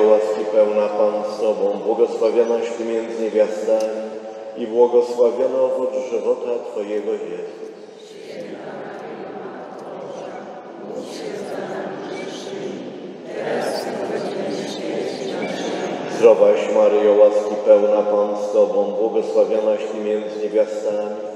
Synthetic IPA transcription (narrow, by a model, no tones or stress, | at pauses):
waskʲipɛwnapanst̪ɔbɔ̃w̃bwɔɡɔswavʲjɔnaɕpɨmʲjɛnd̪zɲevʲjast̪amʲi | ibwɔɡɔswavʲjɔnaɔvud͡ʒʐɘvɔt̪at̪fɔjɛɡɔjɛzu | zɾɔbaɕmaɾɘjɔwaskʲipɛwnapanst̪ɔbɔ̃w̃bwɔɡɔswavʲjɔnaɕt̪ɘmʲjɛnd̪zɘɲevʲjast̪amʲi